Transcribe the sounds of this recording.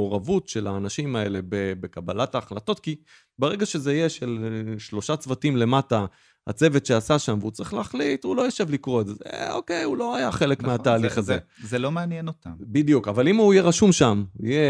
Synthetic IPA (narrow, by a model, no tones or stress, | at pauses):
oʁavutʃe̞laːnaʃimae̞le̞bebekabalataːχlato̞t̚ki | beʁe̞ɡaʃe̞zeijeʃe̞lʃlo̞ʃat͡svatimle̞mata | ha̰t͡se̞ve̞tʃeasaʃamveut͡saʁiχleaχlitulo̞jaʃevlikʁo̞ezezḛo̰kejulo̞ajaχe̞le̞kmmeat̪aːliχazezelomeanjenot̪ambid̪ijukavalimuijeʁaʃumʃamuje